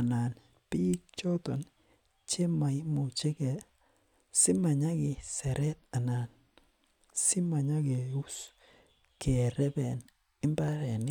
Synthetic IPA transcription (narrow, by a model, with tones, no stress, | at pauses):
a˨na˨n | pi˦k̚t͡ʃɔ˦tɔ˨n | t͡ʃe˦ma˨ɪ˦mʊ˨t͡ʃe˦kɛ˨ | sɪ˦ma˨ɲa˦kɪ˨sɛ˨ɾɛ˦t̪̚a˨na˨n | sɪ˦ma˨ɲa˦ke˨u˦s | ke˨ɾɛ˦bɛ˨n | ɪ˦mba˦ɾɛ˨nɪ˦